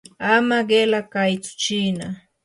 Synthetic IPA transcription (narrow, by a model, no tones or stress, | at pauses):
amaɢelakajt͡sʊ̥t͡ʃina